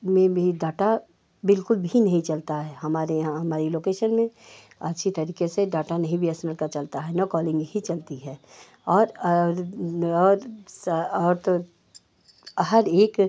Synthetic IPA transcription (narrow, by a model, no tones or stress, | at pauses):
mẽbʱiɖaːʈa | bɪlkʊlbʱinɐɦĩt͡ʃɐlt̪aɦɛɦɐmaːɾeãɦɐmaːɾiloːkeːʃənmẽ | ɐtːʃʰit̪ɐɾiːkeseɖaːʈanɐɦĩbʱiəsnəlkat͡ʃɐlt̪aɦɛnɔ̃kɔːlɪ̃ŋɡbʱit͡ʃɐlt̪iɦɛː | ɔːɾ | ɔːɾsɔːɾt̪o | ɦɐɾeːk